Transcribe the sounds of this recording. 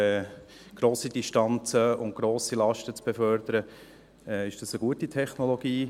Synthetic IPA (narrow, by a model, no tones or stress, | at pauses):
ɛ | ɡ̥ɾoːsidiʃtɑnt͡səʊnt̚ɡ̥ɾoːsilɑʃtət͡sb̥ɛfœɾd̪əɾə | ɛːɪʃd̥ɑsəɡ̥uətitʰɛχnɔlɔɡ̥iː